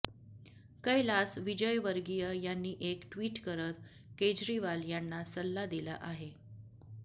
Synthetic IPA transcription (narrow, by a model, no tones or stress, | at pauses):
kəjlasʋid͡ʑəjʋəɾɡijəjanːiːʔekʈʋiːʈkəɾət̪̚ | ked͡ʑɾiʋaljanːasəlːad̪ilə̰ʔaɦe